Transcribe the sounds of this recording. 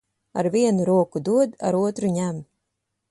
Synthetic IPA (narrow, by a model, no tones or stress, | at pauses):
a̰ɾviɛnuɾuɔkud̪uɔd̪a̰ɾuɔt̪ɾuɲʲæm